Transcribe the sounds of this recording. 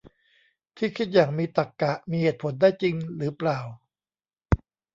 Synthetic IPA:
t̪ʰiː˥˩kʰi˦˥˩t̪̚jaː˨˩ŋmiː˧t̪a˨˩kːa˨˩ʔmiː˧heː˨˩t̪̚pʰo˩˦ndaː˥˩jt͡ɕi˧ŋɾɯː˩˦plaː˨˩w

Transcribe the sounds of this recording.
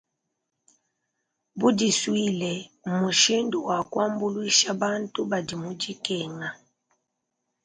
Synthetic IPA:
bu˦di˨swi˦lɛ˨mu˨ʃi˦ndu˨wa˨kwa˦mbu˦lwi˦ʃa˦ba˦ntu˦ba˨di˨mu˦di˦kɛ˨ŋa˨

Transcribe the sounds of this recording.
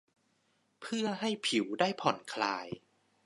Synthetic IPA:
pʰɯ˥˩ɐɦa˥˩jpʰi˩˦wdaː˥˩jpʰɔ˨˩˦nkʰla̰ː˧j

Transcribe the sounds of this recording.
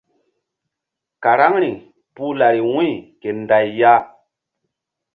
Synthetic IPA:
ka˨ɾa˦ŋɾi˨ | pu˦la˨ɾi˨wũ˦i˨ke˨nda˨jːa˦

